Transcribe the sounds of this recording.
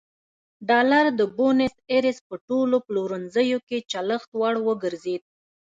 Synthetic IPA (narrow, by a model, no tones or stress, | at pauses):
ɖɑlaɾd̪əbonɪseɾɪspəʈoloploɾənzəjoket͡ʃaləxt̪wɑɽwəɡəɾzed̪̚